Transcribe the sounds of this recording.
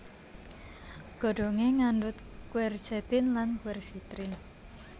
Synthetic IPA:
ɡ̥o̤ɖ̥o̤ŋeŋanɖʊt̪̚ | kwɛrsɛt̪ɪnlankwɛrsit̪ɾɪn

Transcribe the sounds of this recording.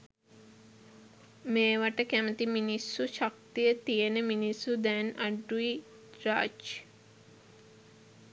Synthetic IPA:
meːʋaʈəkæmət̪iminisːuʃɐk̚t̪ijət̪ijenəminisːud̪ænɐɖui | ɾaːd͡ʒ

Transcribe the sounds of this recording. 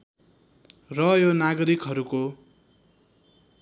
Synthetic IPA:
rʌjonaɡʌɾikɦʌɾuko

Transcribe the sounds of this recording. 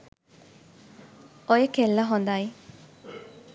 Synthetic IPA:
ojekelːɐɦond̪ai

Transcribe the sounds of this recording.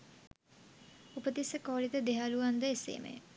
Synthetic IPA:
upət̪isəkoːlit̪əd̪eɦaluʋand̪əesḛːmḛj

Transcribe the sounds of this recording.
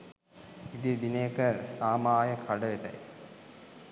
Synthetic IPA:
id̪id̪inejkəsaːmaːjəkʰaɖəʋet̪a̰j

